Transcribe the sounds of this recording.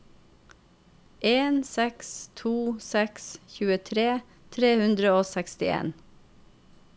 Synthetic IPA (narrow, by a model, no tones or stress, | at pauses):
ʔeːnsɛkst̪ʰuːsɛksçʉːət̪ʰɾeː | t̪ʰɾeːhʉnd̪ɾəoːsɛkst̪ɪḛːn